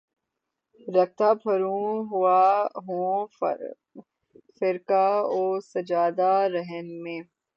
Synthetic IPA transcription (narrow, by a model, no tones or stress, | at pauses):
ɾɐk̚t̪apʰɐɾũɦʊaɦõː | fɪɾkaɔːsɐd͡ʒaːd̪aɾɛɦənmẽː